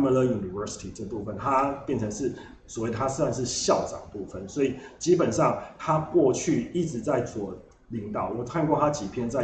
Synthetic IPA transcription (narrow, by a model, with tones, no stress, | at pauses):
mə˧lə˦ju˨˩ni˨və˧˥si̥˨˩t̪ʰi˨˩ʈ͡ʂə˥˩pu˥˧fə˩nt̪ʰa˦pjɛ˥˩nt͡sʰə˧˦˥ŋʂɻ̩˥˩ | swɔ˨˩wɪə˩t̪ʰa˦sa˥˧nʂ̬ɻ̩˥˨ɕjɑ˥˩ʊt͡sɑ̰˨˩ŋdə˩pu˥˧fə˨˩nswɔ˧˥i˨˩t͡ɕi˦˥pə˨˩nʂɑ˥˩ŋt̪ʰa˦kwɔ˥˧t͡ɕʰy˥˧i˥˩ʈ͡ʂɻ̩˧˦t͡sa˥˩ɪswɔ˨˩ | li˧˥ŋt̪ɑ˨˩ʊwɔ˨˩kʰa˥˧nkwɔ˥˩t̪ʰa˥t͡ɕi˨˩pʰjɛ˥˧nt͡sa˥˩ɪ